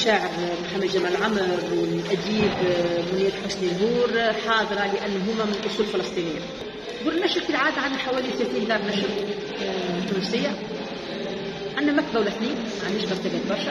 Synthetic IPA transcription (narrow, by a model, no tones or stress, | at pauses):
ʃaːʕəbmħamːɪd̪d͡ʒamlʕamɾwɪlʔæd̪iːbmʊnːiːt̪ħʊsnilɦuːɾħɑːðˤɨɾˤɑlɪʔænːɦʊmːæmɪnlʔʊsˤuːllfɪlɑsˤt̪ˤiːnɪjːa | ɡuːlnːæʃət̪ɪlʕaːd̪ʕanːæħawæːliθlæːt̪iːnd̪ɑːɾˤnæʃɪb̪ | næfsɪjːa | ʕanːæmæk̪̚bæwlæθniːn | ʕanːɪʃbɑɾt̪æbæːt̪bɑɾˤʃæ